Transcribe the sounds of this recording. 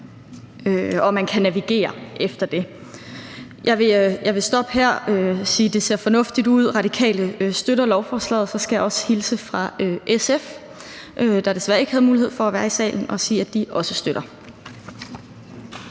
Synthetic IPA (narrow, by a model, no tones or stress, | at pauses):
øɒ̽mænkʰænæʋiɡ̥e̝̰ːɐʔefd̥ɐd̥e̝ | jʔɑ̈ɪʋe̝jɑ̈ɪʋe̝sd̥ɒ̽b̥heɐ̰øsiːd̥e̝se̝ɐ̰fɒ̽nɔ̽fd̥id̥uð̞̰ˠʁɑ̈ɾ̥ikʰɛ̰ːləøsd̥øɾɐlɒʊfɒːslɛ̰ːðˠsɒ̽sɡ̥æjɑɒ̽sə̥hilsəfʁɑ̈øʔesef | ʔød̥ɑɾ̥e̝sʋæɐe̝ɡ̥hæðˠmuːlihḛfɒ̽æʋæːɐisɛ̰ːln̩ʔɒ̽siːæd̥iʔɒ̽səsd̥øɾ̥ɐ